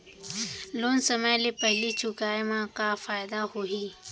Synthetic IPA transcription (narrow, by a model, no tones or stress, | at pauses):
loːnsəməjlepəɦlit͡ʃʰʊkaːemãkafaːɪd̪ahoɦiː